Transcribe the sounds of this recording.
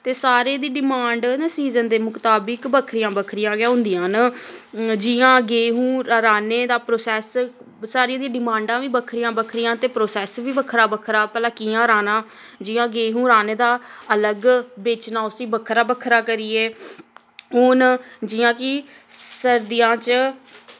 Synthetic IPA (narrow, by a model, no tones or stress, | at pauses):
t̪eːsaːɾeːd̪iːɖɪmãːɳɖnsiːzənd̪eːmʊkt̪aːbəkbəkʰɾɪjãːbəkʰɾɪjãːɡɪjaːɦʊ̃nd̪ijãːn | d͡ʒɪjãːɡeːɦũːɾɾaːneːd̪aːpɾoːsɛːs | saːɾij̃ːd̪ijãːɖɪmãːɳɖãːʋiːbəkʰɾɪjãːbəkʰɾɪjãːt̪eːpɾoːsɛːsʋiːbəkʰɾaːbəkʰɾaːpəlaːkiːãːɾaːnãː | d͡ʒɪːãːɡeːɦũːɾaːneːd̪aːələɡbeːt͡ʃnãːʊsĩːbəkʰɾaːbəkʰɾaːkəɾiːeː | ɦʊnd͡ʒɪjãːkɪ | səɾd̪ɪjãːt͡ʃ